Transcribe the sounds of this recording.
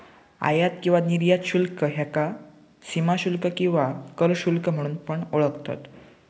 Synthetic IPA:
a̰jat̪kĩw̃ʋaniɾjat̪ɕulkəɦjaka | simaɕulkəkĩw̃ʋakəɾɕulkəm̤əɽ̃uːnpəɳoɭəkt̪a̰t̪

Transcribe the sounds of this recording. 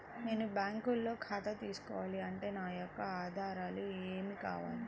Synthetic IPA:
ne̞ːnubjaːŋkulːo̞ːkʰaːt̪ɐt̪iːsu̥kɔːʋaːliɐɳʈe̞ːnaːjɔkːɐaːd̪ʱaːɾaːlueːmika̰ːʋa̰ːli

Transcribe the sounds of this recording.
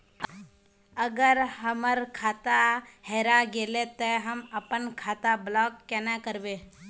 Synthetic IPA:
əɡəɾɦəməɾkʰaːt̪aheːɾaɡelet̪ɔɦəməpənkʰaːt̪ablɔːkkːenakəɾbeː

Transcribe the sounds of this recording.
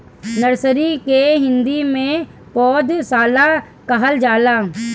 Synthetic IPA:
nəɾsəɾikeɦɪ̃nd̪imẽ | pɔːd̪saːla | kɐɦəld͡ʒaːlaː

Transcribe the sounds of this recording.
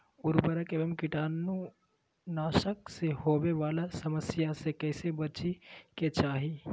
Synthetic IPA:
ʊɾbəɾəkeːbəmkɪʈaːnːu | naːʃəkseɦoʋeʋaːlasəməsjasekəɦɪsebət͡ʃiket͡ʃaːɦi

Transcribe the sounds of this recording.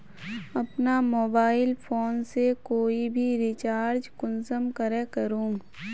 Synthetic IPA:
ɐpnamoːbaːɪlpʰoːnsekoːibʱiɾɪt͡ʃaːɾd͡ʒkʊnsəmkəɾekəɾũː

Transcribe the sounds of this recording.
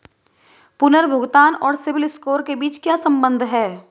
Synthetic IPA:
pʊnəɾbʱʊɡt̪aːnɔːɾsɪʋɪlɪskoːɾkebiːt͡ʃkjaːsɐ̃mbə̃nd̪ʱɦɛː

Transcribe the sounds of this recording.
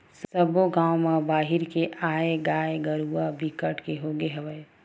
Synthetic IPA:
ssəboɡãːwmabaːɦɪɾkeʔaːeɡaːeɡəɾuabʱikəʈkeɦoɡeɦəʋəe

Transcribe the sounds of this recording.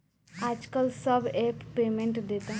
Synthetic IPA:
aːd͡ʒkəlsəbeːppeːmẽɳʈd̪et̪a

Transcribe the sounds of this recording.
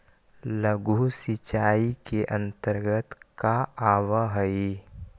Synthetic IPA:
ləɡʱusɪt͡ʃaːikeʔə̃nt̪əɾɡət̪kaaːwaɦɐi

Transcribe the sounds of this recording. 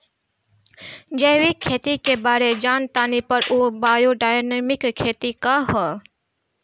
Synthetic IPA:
d͡ʒəjʋɪkʰːeːt̪ikebaːɾed͡ʒaːnt̪aːnipəɾʔoːbaːjoɖaːjnemɪkkʰːeːt̪ikaɦɔː

